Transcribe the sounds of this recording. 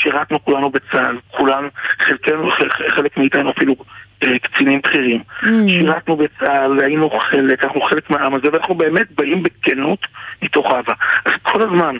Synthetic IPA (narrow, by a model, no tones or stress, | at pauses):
ʃiʁatnukulanubet͡salkʰulanχelkenuχeeχelekmiitajinuafiluekt͡sinimbχiʁimʃiʁatnubet͡salainuχe̞lekanaχnuχe̞le̞kmeaamazeveanaχnube̞ːme̞t̚baʔimbekenutmito̞χavaʔazkʰo̞lazman